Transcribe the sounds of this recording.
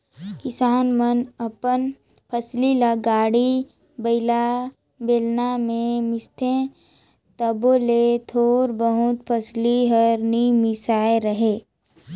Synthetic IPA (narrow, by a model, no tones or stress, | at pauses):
kɪsaːnmənəpən | pʰəslilaɡaːɽi | bəɪla | beːlnamẽmɪst̪ʰẽ | t̪əboːlet̪ʰoːɾbəɦʊt̪̚pʰəsliɦəɾnimɪsaːeɾəɦeː